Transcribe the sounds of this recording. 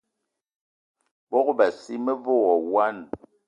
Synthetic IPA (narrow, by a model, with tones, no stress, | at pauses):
bɔ˦kba˨si˦mə˦vo˦wɔ˨wa˦n